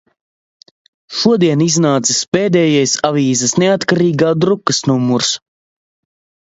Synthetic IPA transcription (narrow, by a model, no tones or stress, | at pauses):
ʃuɔd̪iɛniznaːt̪sispeːd̪ɛːjajsaviːzɐsneat̪kaɾiːɡaːd̪ɾukːɐsnumuɾs